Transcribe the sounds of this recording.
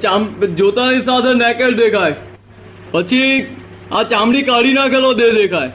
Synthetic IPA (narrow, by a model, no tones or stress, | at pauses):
t͡ʃaːmd͡ʒoːt̪ãɪsaːsɛnɛːkeld̪eːkʰaːe | pɐt͡ʃʰi | at͡ʃaːmɽikaːɽinakʰelod̪ed̪eːkʰaːeː